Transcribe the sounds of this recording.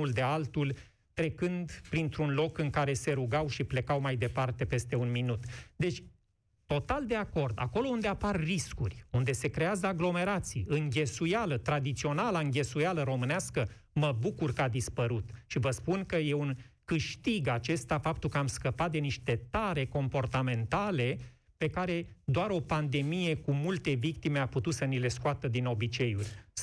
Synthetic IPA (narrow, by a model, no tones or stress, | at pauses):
uld̪e̞alt̪ul | t̪ɾe̞kɨnd̪pɾint̪ɾunlo̞kɨŋkaɾe̞se̞ɾuɡawʃiple̞kawmajd̪e̞part̪e̞pe̞st̪e̞unminut̪d̪e̞t͡ʃʲ | t̪o̞t̪ald̪e̞ako̞rd̪a̰ko̞lo̞und̪e̞aparːiskurʲund̪e̞se̞kɾe̞azəaɡlo̞me̞ɾat̪sḭjɨŋɡʲe̞sujalət̪ɾad̪it̪sio̞nalaɨŋɡʲe̞sujaləɾo̞mɨneaskə | məbukurkəad̪ispəɾut̪ʃivəspunkəje̞unkɨʃt̪iɡat͡ʃe̞st̪afap̚t̪ulkəamskəpat̪̚d̪e̞niʃt̪e̞t̪aɾe̞ko̞mpo̞rt̪ame̞nt̪ale̞ | pe̞kaɾe̞d̪oaɾo̞pand̪e̞mije̞kumult̪e̞vik̚t̪ime̞aput̪ut̪sənile̞skoat̪əd̪ino̞bit͡ʃe̞julʲ